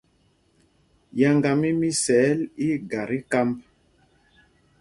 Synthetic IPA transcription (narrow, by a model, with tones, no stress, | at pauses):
ja˨ŋɡa˨mi˦mi˦sɛː˨˦li˦ɡa˨ɾi˦ka˦mb̚